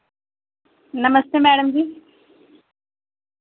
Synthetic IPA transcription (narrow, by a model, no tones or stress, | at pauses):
nəməst̪eːmɛːɽəmd͡ʑiː